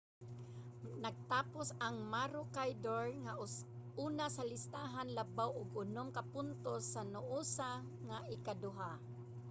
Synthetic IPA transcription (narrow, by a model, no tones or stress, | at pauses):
naɡ̚t̪aːpʊsaŋmaɾʊkajd̪oɹŋauːnasalɪst̪aɦanlabawʔʊɡʊnʊmkapʊnt̪osanʊʔusa | ŋaʔɪkad̪ʊɦa